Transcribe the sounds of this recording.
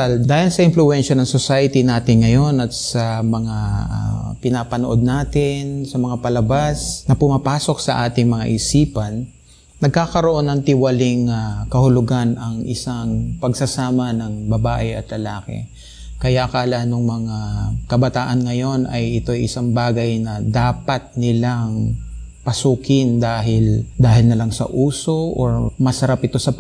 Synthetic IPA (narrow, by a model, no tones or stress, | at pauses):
ld̪aːhɪlsɐʔɪnflʊɛnʃɐnɐŋsosajɐt̪inaːt̪ɪŋŋɐjo̞nɐt̪̚sɐmɐŋa̰ | pɪnapɐnoʔo̞d̪̚naːt̪ɪnsɐmɐŋapɐlɐbasnɐpʊmɐpaːso̞k̚sɐʔaːt̪ɪŋmɐŋa̰ʔɪsiːpɐnː | ɐɡ̚kaːkɐɾoʔo̞nɐŋt̪ɪwɐlɪŋakɐhʊlʊɡanɐŋɪ̰saŋpɐɡsɐsaːmɐnɐŋbɐbaːʔɪɐ̰t̪lɐlaːkɛ̰ | kɐjaʔkaːlɐʔnoŋmɐŋakɐbɐt̪aːʔɐnŋɐjo̞nʔɐjɪt̪o̞jʔɪsaŋbaːɡɐjnɐd̪aːpɐt̪̚nɪlaŋ | pɐsuːkɪnd̪aːɦɪld̪aːɦɪlnɐlaŋsɐ̰ʔuːso̞ʔo̰ɹmɐsɐɾapɪt̪o̞sɐ